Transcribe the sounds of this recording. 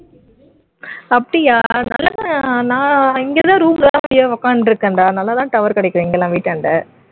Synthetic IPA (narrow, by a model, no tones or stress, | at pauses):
ɐpːɐɽɪjaːnlːɐãnãːɪŋɡet̪ãːɾuːmlɐlãːʋjɐʋɐkːaːnɾɯkːɐɳɖaːnɐlːɐt̪ãːt̪ɐʋɐɾkɐɽɐɪkːɾõɪŋɡɛlːãːʋiːʈːɐɳɖɐ